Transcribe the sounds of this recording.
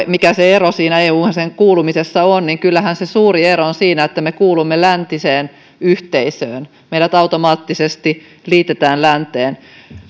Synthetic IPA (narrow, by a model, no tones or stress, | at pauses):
mikæseerosiːnæeːuːɑseŋkuːlumisesːɑonniŋkylːæhænsesuːrieroonsiːnæet̪ːæmekuːlumːelænt̪iseːn | yht̪eisøːn | meijɾæt̪ɑwt̪omɑːt̪ːisest̪i | liːt̪et̪æːnlænt̪eːn